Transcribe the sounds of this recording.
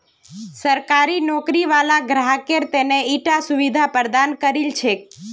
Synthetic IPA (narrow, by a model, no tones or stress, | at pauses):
səɾkaɾinɔkɾiʋalaɡɾaɦəkeɾt̪eneiʈasuʋid̪ʱapəɾd̪ankəɾilt͡ʃʰe